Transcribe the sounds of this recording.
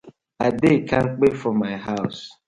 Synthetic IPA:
adekʰaŋ̩k͡pefɔmaɪɦaʊs

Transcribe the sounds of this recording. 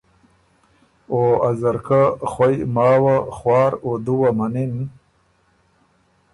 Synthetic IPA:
oːazaɾkaχwajmaːwaχwaːɾod̪uwamanin

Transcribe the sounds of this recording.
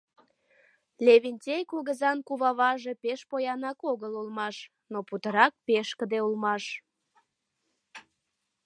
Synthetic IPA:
lʲeβinʲtʲejkulɣəzɑnkuβɑβɑʒe̽peʃpojɑnɑkoɣəlulmɑʃ | noput̪əɾɑk̚peʃkəd̪eulmɑʃ

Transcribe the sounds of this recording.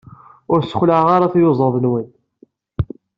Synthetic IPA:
ʊɾsə̥xləʕʁaɾˤɑθjʊzˤəɾðˤənwən

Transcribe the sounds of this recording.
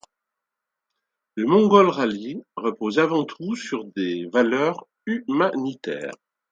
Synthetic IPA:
ləmɔ̃ɡɔlʁaliʁəpozavɑ̃t̪ʰusyʁd̪evalœʁ | ymanit̪ɛ̰ːʁ

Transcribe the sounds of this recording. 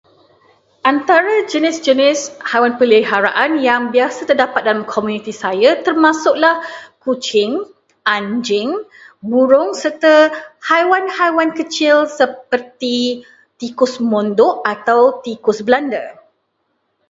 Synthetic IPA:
ʔant̪aɾad͡ʒənɪsd͡ʒənɪshajwanpələɦaɾa̰ʔanjaŋbiasət̪ərdapat̪̚dalamkʰomũnĩt̪isajat̪ərmãsʊʔlahkut͡ʃɪŋ | ʔaɲd͡ʒɪŋbuɾʊŋsərt̪ahajwanhajwankət͡ʃɪlsəp̚ərt̪i | t̪ikʊsmɔ̃ndʊʔat̪awt̪ikʊsblanda̰

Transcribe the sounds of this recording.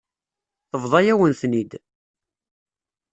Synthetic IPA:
θəvðˤɑjæwənθnid̪

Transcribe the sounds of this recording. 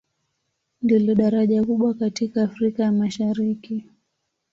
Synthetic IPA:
ndilɔɗaɾaʄakuɓwakatikaːfɾikajamaʃaɾiki

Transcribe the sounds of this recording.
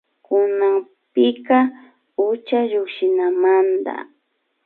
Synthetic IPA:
kʊnaŋ | pɪka | ʊt͡ʃaʎʊkʃɪnamand̪a̰

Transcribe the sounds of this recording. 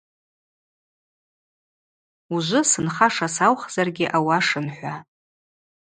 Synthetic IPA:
uʒʷʊsɨnχaʂasawχz̥arɡʲɪʔawaʂɨnħʷa

